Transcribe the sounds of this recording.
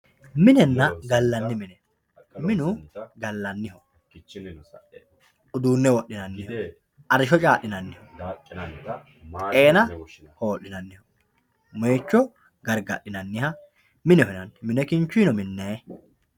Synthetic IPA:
mɪnɛnːɐɡɐlːɐnːɪmɪnɛ | mɪnʊɡɐlːɐnːɪhɔ | ʊd̪uːnːɛwɔʔːɪnɐnːɪh | ʔɐɾɪʃɔt͡ʃʼaːʔːɪnɐnːɪhɔ | t̪ʼeːnɐ | ho̞ːʔːɪnɐnːɪhɔ | meːt͡ʃːɔ | ɡɐɾɡɐɗːɪnɐnːɪhɐ | mɪnɛhɪnɐnmɪnɛkɪnt͡ʃːiːnɔmɪnːeː

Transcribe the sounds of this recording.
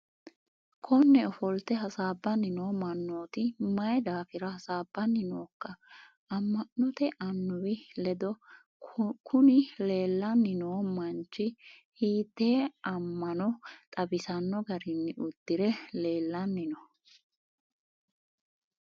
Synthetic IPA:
kʰɔnːɛɔfɔlt̪ɛɦɐsaːbːɐnːɪnoːmɐnːo̞ːt̪ɪmɐjd̪aːfɪɾɐhɐsaːbːɐnːɪno̞ːkːɐ | ɐmːɐnːɔt̪ɛʔɐnːʊwɪlɛd̪ɔ | kʰʊnɪle̞ːlːɐnːɪnoːmɐnt͡ʃːɪhiːt̪ːe̞ːɐmːɐnɔt̪ʼɐbɪsɐnːɔɡɐɾɪnːɪʊd̪̥ːɪɾɛle̞ːlːɐnːɪnɔ

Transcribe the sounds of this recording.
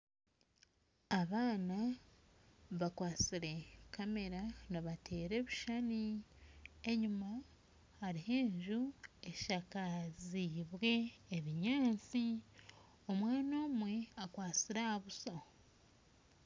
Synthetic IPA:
aβaːna | βakwaːt͡siɾe̞kame̞ɾaniβatʰe̞ːɾe̞βuʃani | e̞ɲuma | haɾiɦe̞ːɲʒue̞ʃakaziβwe̞ːβiɲaːnt͡si | omwaːno̞ːmwe̞akwaːt͡siɾaaβuso

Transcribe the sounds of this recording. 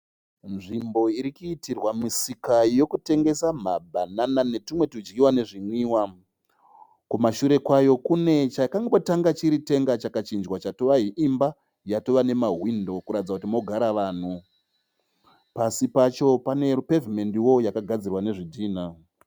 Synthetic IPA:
nʐimbo̞iɾikuitirwamisikajo̞kute̞ŋɡe̞sam̤abʱananane̞timwe̞tud͡ʒɡiwane̞ʐimwiːwa | kumaʃuɾe̞kwajo̞kune̞t͡ʃakaŋɡotaŋɡat͡ʃiɾite̞ŋɡat͡ʃakat͡ʃind͡ʒwat͡ʃatoʋaɦiʔimba | jatoʋane̞maɦwindo̞kuɾatid͡zakutimo̞ɡʱaɾaʋaːn̤u | pasipat͡ʃo̞pane̞pe̞vime̞ndijo̞jakaɡʱad͡zirwane̞ʐidʱiːn̤a

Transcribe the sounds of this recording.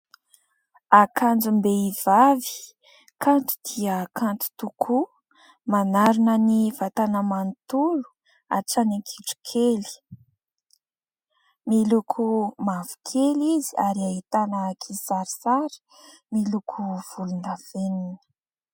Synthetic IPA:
akand͡ʒumbeivavi̥ | kʰant̪u̥d̪̥iəkant̪u̥t̪ukʰu | manaɾunənivat̪anəmant̪ulu̥ | a̰ʈ͡ʂaneŋkʰiʈ͡ʂu̥kʰeli̥ | milukʰumavu̥kʰeliziaɾiaɦit̪anəkʰisaɾisaɾi̥ | milukʰuv̥ulunav̥eninə̥

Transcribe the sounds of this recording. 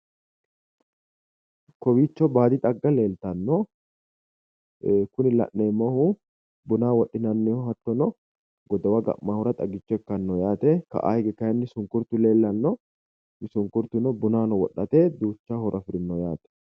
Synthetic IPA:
kɔwiːt͡ʃːɔbaːd̪ɪt̪ʼɐɡːɐle̞ːlt̪ɐnːɔ | kʊnɪlɐ̰ʔːeːmːɔhʊ | bʊnaːwɔɗːɪnɐnːɪɔɦɐt̪ːɔnɔ | ɡɔd̪ɐwɐɡɐ̰ʔːaːhɔɾɐt̪ʼɐɡɪt͡ʃːɔɛkːɐnːɔjaːt̪ɛkɐ̰ʔa̰ːhɪɡɛkɐjɐnːɪsʊŋkʊɾt̪ʊle̞ːlːɐnːɔ | ɪsʊŋkʊɾt̪ʊnɔbʊnaːnɔwɔɗːɐt̪eːd̪uːt͡ʃːaːhɔɾʔɐfɪɾɪnːɔjaːt̪ɛ̥

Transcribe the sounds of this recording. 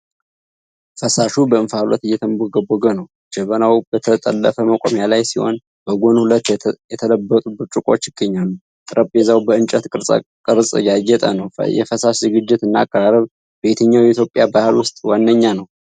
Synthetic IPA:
fəsaʃubəɨnfalɔ̰t̪ɨjːɛt̪ʰəmboɡəboɡənəw | d͡ʒ̥ɛβənawbət̪ʰət̪ʼə̰lːəfəməkʼo̰mjalajsiho̞̰n | b̥əɡonhulət̪ːjɛt̪ʰələbːət̪ʼubɨɾt͡ʃʼʊkʼo̞̰t͡ʃːjɪɡ̥ːəɲːalːu | t̪ʼɨɾʔəpʼezawbəɨnt͡ʃʼət̪kʼɨɾ̰ʼkʼɨɾsʼjajɛt̪ʼənəwjɛ̰fəsaʃzɨɡɨd͡ʒːɪt̪ɨnːakʼːəɾaɾəβ | b̥e̞t̪ʰəɲːawjɛit̪jo̞pʼːjabahɨlwʊst̪ʼwanːəɲːanəw

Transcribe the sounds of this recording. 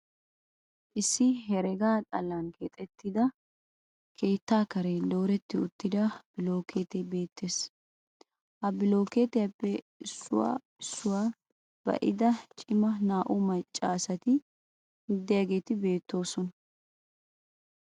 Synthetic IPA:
ʔɪsːɪɦɛɾɛɡaːt̪ʼɐlankeːt̪ʼɛt̪ːɪd̪ɐ | kʰe̞ːt̪ːaːkɐɾelo̞ːɾɛt̪ːɪʊt̪ːɪd̪ɐb̥ɪlo̞ːkʰe̞ːt̪ɛbe̞ːt̪ʰːe̞ːs | hɐbɪlo̞ːkeːt̪ɛjɐpːɛ | ɪsːʊ̰wa̰ː | ɪsːʊwaː | b̥ɐ̰ʔɪ̰d̪ɐt͡ʃʼɪmɐnaːʔʊmɐt͡ʃʼːaːsɐt̪ɪ | mɪd̪ːɪjaɡe̞ːt̪ɪbe̞ːt̪ːo̞ːsɔnɐ

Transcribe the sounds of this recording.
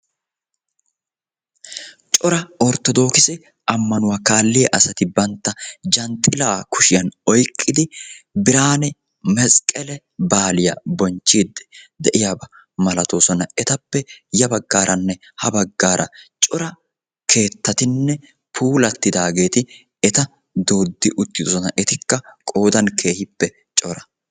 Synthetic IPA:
t͡ʃʼɔɾɐɔɾt̪ːɔd̪o̞ːkɪsɛ | ʔɐmːɐnʊwaːkaːlːɪjɛʔɐsɐt̪ɪbɐnt̪ːɐd͡ʒɐnt̪ʼːɪlaːkʊʃɪjɐnɔjkʼːɪd̪ɪbɪɾaːnɛ | mɛsʼkʼɛlɛ | baːlɪjɐ̰bɔnt͡ʃːiːd̪ːɛ̥d̪ɛʔɪjaːbɐ | mɐlɐt̪oːsɔnɐɛt̪ɐpːɛjɐbɐɡːaːɾʔɐnːɛ | hɐbɐɡːaːɾʔɐ̰t͡ʃʼɔɾɐ | kʰe̞ːt̪ːɐt̪ɪnːɛ | pʰuːlɐt̪ːɪd̪aːɡe̞ːt̪ɪ | ɛt̪ɐ | d̪oːd̪ːɪʔʊt̪ːɪd̪osɔnɐʔɛt̪ɪkːɐkʼo̞ːd̪ɐnkʰe̞ːhɪpːɛ | t͡ʃʼɔɾɐ

